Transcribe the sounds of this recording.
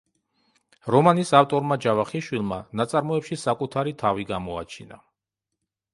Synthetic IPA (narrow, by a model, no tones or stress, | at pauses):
ɾɔmanisaft̪ʼɔɾmad͡ʒavaχiʃwilˠma̰nat̪sʼaɾmɔɛpʃisakʼut̪ʰaɾit̪ʰaviɡamɔa̰t͡ʃʰina̰